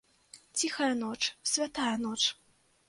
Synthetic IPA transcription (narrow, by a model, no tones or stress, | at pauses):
t͡sʲixɐjɐnɔt͡ʂsʲvʲat̪ajɐnɔt͡ʂ